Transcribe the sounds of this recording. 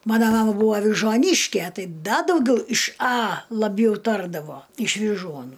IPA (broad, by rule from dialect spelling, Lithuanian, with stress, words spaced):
ˈmɑːnɐ ˈmɑːmɐ ˈbʊʋɐ ɐʋʲɪʒuɔˈnʲiːʃʲkʲɛ ˈtɐɪ ˈdɐ dɐʊˈɡʲɛʊ ɪʃ ɐ lˠɐˈbʲjɛʊ ˈtɐrdɐʋoː ɪʃ ʋʲɪˈʒuɔnuː